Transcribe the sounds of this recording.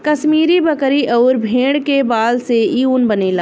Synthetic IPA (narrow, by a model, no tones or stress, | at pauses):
kɐsmiːɾibɐkɾiʔɔːɾbʱẽːɽ̃kebaːlseiuːnbɐnela